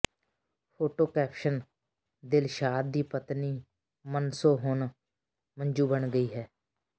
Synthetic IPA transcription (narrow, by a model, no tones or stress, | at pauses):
pʰoːʈoːkɛːpʰʃən | d̪ɪlʃaːd̪d̪iːpət̪niː | mənsoːɦon | mənd͡ʒuːbənɡəiːɦɛː